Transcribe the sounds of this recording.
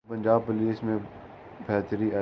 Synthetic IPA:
pə̃ɲʲd͡ʒaːb̚pʊliːsmẽ | bʱɛːt̪ɾia

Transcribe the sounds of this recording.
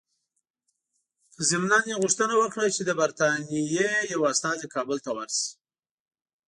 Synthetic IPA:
zɪmnɑnjeɣʊʂt̪ənawəkɽat͡ʃed̪əbaɾt̪ɑnijejawast̪ɑzekʰɑbəlt̪awaɾs

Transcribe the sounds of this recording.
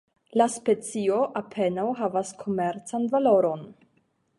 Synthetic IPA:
laspe̞t͡sio̞ʔapʰe̞nawɦavaskʰo̞meɾt͡sanvalo̞ɾo̞n

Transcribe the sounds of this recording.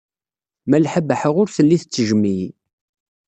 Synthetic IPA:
mælħəbəħəʁʊɾθəlːiθət͡sːəʒəmːij

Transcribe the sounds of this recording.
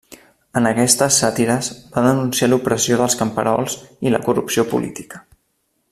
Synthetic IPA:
ənəkɛst̪əsːat̪iɾəzb̥aðənunsialupɾəsioðəlˠskəmpəɾɔlˠzilə̰kurṵpsiopṵlʔḭt̪i̥kə̥

